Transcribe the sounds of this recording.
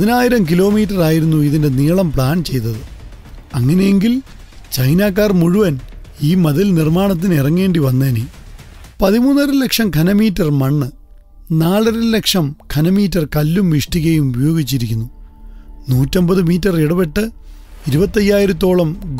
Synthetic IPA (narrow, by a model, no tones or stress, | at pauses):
pɐðinaːjiɾɐmk̬ilo̞ːmiːt̬ːɐraːjiɾunːuiðinde̞niːɭɐmpɭaːnt͡ɕe̞jt̪̬ːɐðɨ | ɐŋːɐne̞jeŋɡil | t͡ɕɐjnaːkːaːrmuɻuʋɐniːmɐðɐlnirmaːɳɐt̪̬ːinirɐŋːe̞ːɳɖiʋɐnːeːne | pɐðimuːnːɐɾɨlekʂɐmkʰɐnɐmiːtːɐrmɐɳːɨ | naːɭɐɾɨlekʂɐmkʰɐnɐmiːtːɐrkɐlːumʋiʂʈiɣɐjumubɐjo̞ːɡit͡ɕːiɾikʲːunːu | nuːtːo̞mbɐðɨmiːtːɐreɽɐpe̞ʈːɨ | iɾubɐt̪ːɐjːaːjiɾɐt̪̬ːo̞ːɭɐmɡ